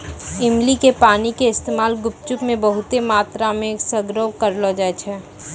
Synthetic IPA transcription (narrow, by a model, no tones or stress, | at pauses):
ɪmlikepaːnikeɪst̪eːmaːlɡʊpt͡ʃʊpmẽbəɦʊt̪emaːt̪ɾamẽːksəɡɾoːwkəɾlod͡ʒaːet͡ʃʰɛː